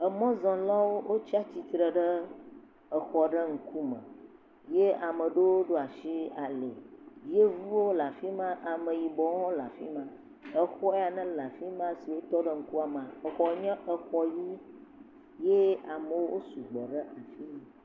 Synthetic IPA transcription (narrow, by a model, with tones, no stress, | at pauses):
ə˨mɔ̃˦zɔ̃˨lɔ˦wo˦wʔo˦t͡ɕi˦a˦t͡ɕi˦t̪ɾə˨ɖə˦ | ə˨xɔ˨ɖə˦ŋ̩˦ku˦mə̰̃˨ | je˦a˨mə̃˨ɖo˦wo˦ɖo˦a˨ʃi˦a˨le˨je˦vu˦wo˦la˨fi˦mã˦ʔa˨mə˨ji˨bɔ˨˦ɔ̃˦la̰˨fḭ˦mã˦ | ə˨xɔ˦ɛ˦a˨nə̃˦la˨fi˦mã˦si˨wo˦t̪ɔ˦ɖə˦ŋ̩˦ku˦a˨mã˨ə˨xɔ˨˦ɲɛ̃˦ʔə˨xɔ˦ji˦ | je˦a˨mə˨wo˦wo˦su˨ɡ͡bə˨ɖə˦ʔa˨fi˦˨